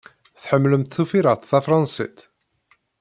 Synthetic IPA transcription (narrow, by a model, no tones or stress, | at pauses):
θħəmːləmt̪θufiɾəʁt̪ˤθæfɾˤɑnsḭt̪